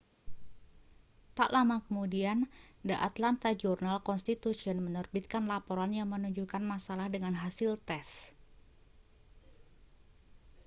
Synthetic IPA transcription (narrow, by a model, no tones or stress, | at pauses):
t̪aʔlamakəmudiandaʔat̪lant̪ad͡ʒɔrnalkɔnst̪it̪usiɔnmənərbit̪̚kanlapɔɾanjaŋmənuɲd͡ʒukanmasalahdəŋanɦasɪlt̪ɛs